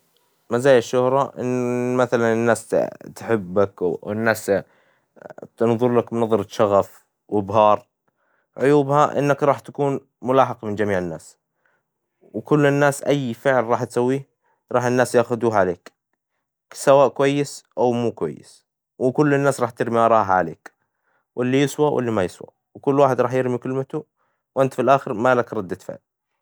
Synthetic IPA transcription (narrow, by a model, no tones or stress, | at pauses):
mazaːjaʃːʊhɾˤɑʔɪ̰nmaθalanɪnːaːst̪ħɪbːakwɪnːaːs | t̪nðˤʊɾlakmnɑðˤɑɾˤɑʃɑɣaf | wɪbɦɑːɾˤ | ʕʊjuːbhaʔɪ̰nːakɾˤɑːħt̪ḁkuːn | mʊlɑːħɑqmɪnd͡ʒamiːʕɪnːa̰ːs | wkʊlːɪnːaːsʔajːfɪʕlɾɑːħt̪sawːiː | ɾˤɑːħɪnːaːsjaːxʊd̪uːɦʕaleːk | sawaːʔkwajːɪsʔawmuːkwa̰jːɪ̰s | wɪkʊlːɪnːaːsɾˤɑːħt̪ɪɾmiʔɑɾˤɑːɦʕalḛːk | wʔɪlːijɪswawʔɪ̰lːimajɪswa̰ | wkʊlːwaːħɪd̪ɾˤɑːħjɪɾmikɪlmat̪u | wʔɪnt̪filʔaːxɪɾmaːlakɾˤɑd̪ːat̪fɪ̰ʕl